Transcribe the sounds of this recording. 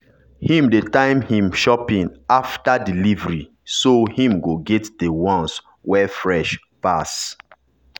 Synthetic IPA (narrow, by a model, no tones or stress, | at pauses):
hĩmdetãɪ̃mhĩmʃɔpĩŋaftadilivəɹi | sohĩmɡoɡɛtdewɔ̃ns | wɛfɹɛʃ | pas